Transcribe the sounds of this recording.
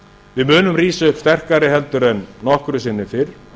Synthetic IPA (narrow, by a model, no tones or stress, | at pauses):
vɪðmʏːnʏmriːsʏhpst̪ɛr̥kaɾɪɦɛlt̪ʏɾɛnːɔhkɾʏs̬ɪnːɪfɪɾ̥